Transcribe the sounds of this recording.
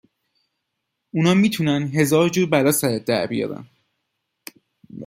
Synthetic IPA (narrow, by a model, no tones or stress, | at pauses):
unɒːmiːt̪ʰunænɦe̞zɒːɾd͡ʒuːɾbælɒːsæɾæd̪æ̰ɾbijɒ̰ːbæ̰n